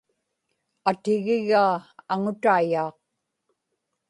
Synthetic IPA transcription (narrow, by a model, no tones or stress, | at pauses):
at̪ɪɣɪɣaːaŋʊt̪aːjɑːq